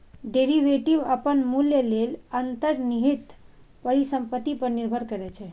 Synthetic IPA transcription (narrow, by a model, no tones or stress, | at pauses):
ɖeɾiʋeʈibəpənmuljelelənt̪əɾniɦit̪ | pəɾisəmpət̪ːipəɾniɾbʱəɾkəɾɛt͡ʃʰɛ